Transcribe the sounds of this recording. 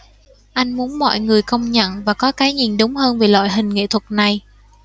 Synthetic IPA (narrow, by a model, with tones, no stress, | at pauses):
ʔa˧jŋ̟mu˨˦ənmɔ̰˧˨jŋɨ˨˩əjkə˧wŋ͡mɲə̰˧˨nvaː˨˩kɔ˨˦kaː˨˦jɲḭ˧˨˩nɗʊ˨˦wŋ͡mhəː˧nve˨˩lwa̰ː˧˨jɦï˨˩ŋ̟ŋḛ˧˨t̪ʰwə˨˩t̚na˨˩j